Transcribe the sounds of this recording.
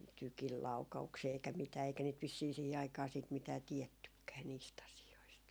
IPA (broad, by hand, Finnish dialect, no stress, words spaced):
tykil lɑukɑuksiː eikæ mitæː eikæ niːt ʋisːiː siˑhi ɑikɑː siːt mitæː tiɛtːykːæː niːst ɑsioist